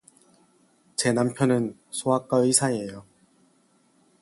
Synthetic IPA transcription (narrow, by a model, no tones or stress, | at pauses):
t͡ɕe̞nampʰjʌnɯnsʰoɦak͈aisʰaejo